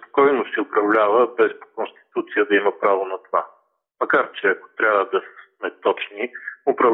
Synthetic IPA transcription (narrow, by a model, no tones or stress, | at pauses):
kɔjnʊsɛʊpɾɐvlʲavəbɛspo̥konst̪i̥t̪ut̪sijəd̪ɐiməpɾavonɐt̪ova | mɐkaɾt͡ʃɛɐko̥t̪ɾʲabvəd̪ɐssmɛt̪ɔt͡ʃniʊpɾɐv